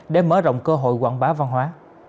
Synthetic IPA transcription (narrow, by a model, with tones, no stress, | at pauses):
ɗe˨˩məː˨˦zə̰˧˨wŋ͡mkəː˧ɦo̰˧˨jkwa̰ː˧˨ŋɓaː˨˦wva˧nɦwaː˨˦